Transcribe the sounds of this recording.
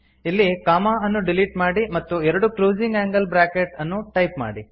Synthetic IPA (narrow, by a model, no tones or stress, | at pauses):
ilːikaːmaːɐnːuɖiliʈmaːɽimɐt̪ːuɛɾɐɽukɾoːd͡ʒiŋɡæːŋɡɐlbɾaːkeʈɐnːuʈɐjpma̰ːɽi